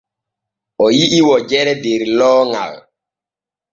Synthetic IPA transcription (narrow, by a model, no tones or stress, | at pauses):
ɔjiʔiwɔd͡ʒɛɾɛdeɾilɔːŋa̰l